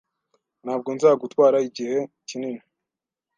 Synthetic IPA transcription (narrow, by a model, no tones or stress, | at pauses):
n̥haːb̚ɡo̞nzaːɡutwaːɾaiɟihe̞ | cinini